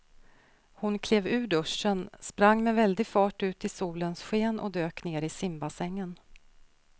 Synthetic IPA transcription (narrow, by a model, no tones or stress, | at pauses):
hʊnkʰleːvʉ̟ːɖɵʂːənspɾaŋːmɛvɛld̪ɪɡfɑːʈʉ̟ːt̪ɪsuːlənsɧeːnʔɔ̰d̪øːkneːɾɪsɪmbasɛŋːən